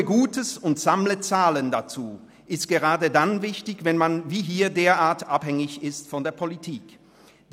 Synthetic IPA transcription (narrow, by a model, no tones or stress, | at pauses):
əɡuːtəsʊntz̥amlət͡saːləndat͡suː | ʔɪstɡ̥əʁaːdədanvɪçtɪçvɛnmanviːɦiːɐdeːɐʔaːɐtʔaphɛŋɪçɪstfɔndeːɐpʰolitʰiːk